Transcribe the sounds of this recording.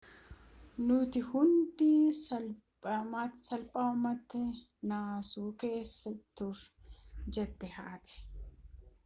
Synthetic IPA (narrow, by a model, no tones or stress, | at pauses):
nʊt̪ɪhʊnd̪iːsɐl | masɐlpʼaɐmɐt̪ːɛ | naːsuːke̞ːsːɐt̪ːʊɾd͡ʒɛd̪ːɛhaːt̪ɪ̥